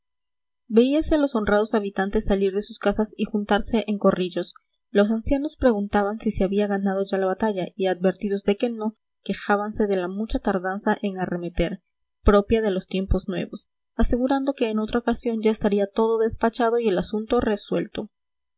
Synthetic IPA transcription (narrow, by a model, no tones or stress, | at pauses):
be̞iase̞lo̞so̞nrað̞o̞saβit̪ant̪e̞sːaliɾðe̞suskasasixunt̪aɾse̞ʔeŋko̞riʝo̞s | lo̞s̬ansjano̞spɾe̞ɣunt̪aβansiseaβiaɣanað̞o̞ʝalaβat̪aʝaiad̪βbe̞ɾt̪iðo̞zd̪e̞ke̞no̞ | ke̞xaβanse̞ðe̞lamut͡ʃat̪aɾðansaʔe̞ŋare̞me̞t̪e̞ɾ | pɾo̞pjaðe̞lo̞st̪je̞mpo̞znwe̞̰βo̞s | ase̞ɣuɾand̪o̞ke̞ːno̞t̪ɾaokasjo̞nd͡ʒae̞st̪aɾiat̪o̞ðo̞ðe̞spat͡ʃað̞o̞ie̞lasunt̪o̞re̞swe̞̰lt̪o̞